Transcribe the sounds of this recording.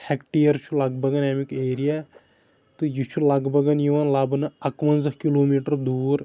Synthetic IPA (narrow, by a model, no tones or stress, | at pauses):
hɛkʈijɐɾt͡ʃʰulɐɡbɐɡɐnemikeːɾijaː | t̪ujut͡ʃʰulɐɡbɐɡɐnjiʋɐnlɐbɨnɨɐkʋɐnzɐhkiloːmiːʈɐɾd̪uːɾ